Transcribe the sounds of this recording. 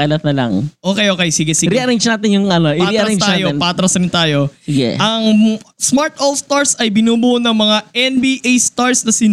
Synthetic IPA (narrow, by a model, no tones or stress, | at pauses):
ɐlɐt̪̚nɐlɐ̰ŋʔoːkɛjʔokɛjsɪɡɛsɪɾɛʔɐɾɛnd͡ʒnaːt̪ɪnjʊŋɐnoʔɪɾaʔɐɐɾɛt̪aːjonpaːt̪ɾɐsɾɪnt̪aːjo̞ɪɡɛ̰ʔɐŋsmaɹt̪ʔolst̪aɹsɐjbɪnuːbunɐŋmɐŋaɛnbiːʔejst̪aɹsnɐsɪn